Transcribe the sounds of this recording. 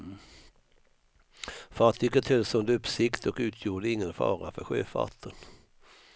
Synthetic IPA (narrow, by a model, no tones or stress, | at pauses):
fɑt̪ʰʏkːət̪ʰhɛlsɵnd̪ɵpːsɪkt̪ɔkʉ̟ːt̪ʰjuːɖəɪŋːənfɑ̰ːɾafœ̰ɾɧø̰ːfa̰t̪ʰːən